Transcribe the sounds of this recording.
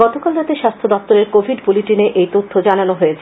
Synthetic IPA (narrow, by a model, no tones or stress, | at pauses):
ɔt̪okalɾat̪eʃast̪ʰod̪ɔp̚t̪oɾeɾkobʱiɖbuliʈineʔejt̪ot̪ʰːod͡ʑananoɦoet͡ɕʰ